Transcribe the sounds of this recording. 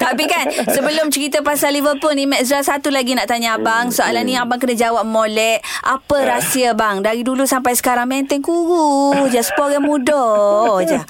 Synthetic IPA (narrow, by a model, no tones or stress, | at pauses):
t̪apikansəbəlʊmt͡ʃəɾit̪əpasalːivəlpʊlnĩmɛʔsɾasat̪ulaɡinaʔt̪aɲabaŋsoalahnĩabaŋkənad͡ʒawap̚molɛʔʔapəɾasiabaŋdaɾidulusampajsə̥kaɾaŋmɛnt̪ɛŋkuɾud͡ʒasə̥pɔɡɛnmũdɔd͡ʒa